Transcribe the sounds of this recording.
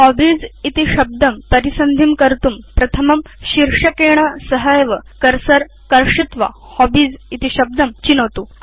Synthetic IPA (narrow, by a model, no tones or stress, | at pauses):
hɔbiːd͡zit̪iɕɐb̚d̪ɐmpɐɾisɐnd̪ʱimkəɾt̪uːmpɾɐt̪ʰəmɐmɕiɾʂɐkeɳ̃asəɦəjʋəkɐɾsəɾ | kɐɾʂit̪ʋa̰ | hɔbiːd͡zit̪iɕɐb̚d̪ɐmt͡ɕinot̪u